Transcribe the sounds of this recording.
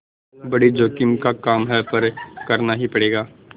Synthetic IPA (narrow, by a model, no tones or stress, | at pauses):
bɐɽid͡ʒoːkɪmkakaːmɦɛpɐɾkɐɾnaɦipɐɽeːɡaː